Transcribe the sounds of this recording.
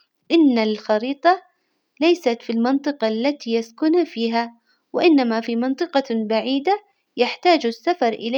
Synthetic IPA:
ʔɪnːalxɑɾiːt̪ˤɑ | lajsat̪filmɑnt̪ˤɨqɑlːat̪ijaskʊnafiːɦa | wɪʔɪnːamafimɑnt̪ˤɨqɑbaʕiːd̪a | jaħt̪aːd͡ʒasːafɑɾˤʔɪlː

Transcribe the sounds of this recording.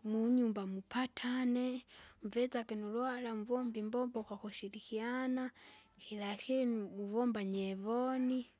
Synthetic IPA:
muɲuːmbamupʰatʰaneɱvet͡sakenulwalamuvoːmbimboːmboxwaxuʃiɾixianaxilaxenmuvombaɲeβoni

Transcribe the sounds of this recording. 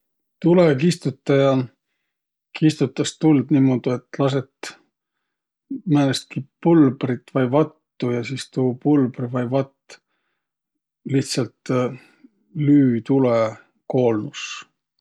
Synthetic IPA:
t̪ulekist̪ut̪ːˑɑjɑ | kist̪ut̪ːˑɑst̪uld̪̥niːmod̪̥iet̪ːˑlɑs̬e̞t̪ | mænest̪̚kipulb̥rit̪ːˑvɑjvɑt̪ːujɑsiːst̪uːpulbrivɑjvɑt̪ː | liht̪sɑlt̪ | lyːt̪ule | ko̞ːlnus

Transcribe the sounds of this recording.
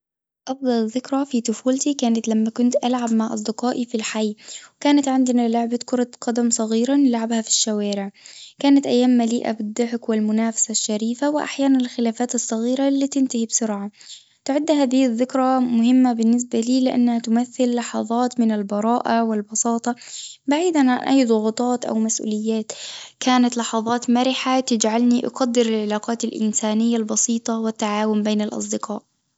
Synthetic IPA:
ʔɑfd̪ˤɑlðɪkɾˤɑfit̪ʊfuːlt̪ikaːnat̪lamːakʊnt̪ʔalʕabmaʕʔɑsˤd̪ɪqɑːʔifilħajːwɪkaːnat̪ʕɪnd̪ɪnalʊʕbakʊɾˤɑqɑd̪amsˤɑɣiːɾanɪlʕabhafi̥ʃːawaːɾɪʕkaːnat̪ʔajːaːmːaliːʔa̰bɪd̪ˤːʊħɪkwɪlmʊnaːfḁsaʃːaɾiːfawɪʔa̰ħjaːnanɪlxɪlaːfaːt̪ɑsˤːɑɣiːɾalːiːt̪ɪnt̪ahibsʊɾʕa | t̪ʊʕɪd̪ːɦaːðɪhðːɪkɾˤamʊhɪmːabɪnːɪs̬baliːlɪʔa̰nːahat̪ʊmaθːɪlːɑħɑðˤɑːt̪mɪnalbɑɾˤɑːʔawɪlbɑsɑːt̪ˤɑbaʕiːd̪anʕanʔajːd̪ˤʊɣʊt̪ˤɑːt̪ʔa̰wmasʔṵːlɪjːaːt̪kaːnat̪lɑħɑðˤɑːt̪maɾɪħat̪ɪd͡ʒʕalniʔɑ̰qɑd̪ːɪɾɪlʕɪlaːqɑːt̪ɪlʔɪ̰nsaːnɪjːalbɑsiːt̪ˤɑwɪt̪ːaʕaːwʊmbeːnɪlʔɑ̰s̬ˤd̪ɪqɑ̰ːʔ

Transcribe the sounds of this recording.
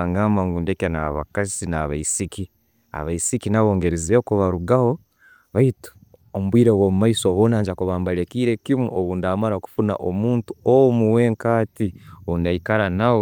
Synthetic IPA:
aŋɡaːmbaŋɡundekenaβa̰kazinaβaisiki | a̰βaisikinaβoːŋɡeɾeziekuβaɾuɡaho̞ | βaito̥ | omuβwiːɾewoːmumaisoːβoːnaːɲd͡ʒakuβaːmbalekiːɾe̞kimuʔoβundamaɾaku̥funa̰ʔomuːntuomuwe̞ːŋkaːtioβundaikaɾanawo

